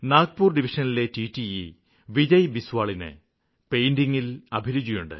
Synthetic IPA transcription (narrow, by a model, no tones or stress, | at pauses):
naːɡ̚puːrɖiʋiʂɐnile̞tiːtːii | ʋid͡ʑɐjbiswaːɭinɨ̰ | pejndiŋːilɐbʱilud͡ʑijuɳɖɨ̰